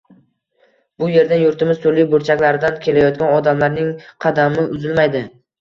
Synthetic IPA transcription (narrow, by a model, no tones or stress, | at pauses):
b̥ʊje̞ɾd̪anjʊɾt̪ʰɪmɪz̥t̪ʰolːijbʊɾt͡ʃʰakʲlaɾɪd̪ankʲʰe̞lajɒt̪̚ɡʲanɒd̪amlaɾnɪŋqʰɑd̪amɪʔʊzɪlmajd̪ɪ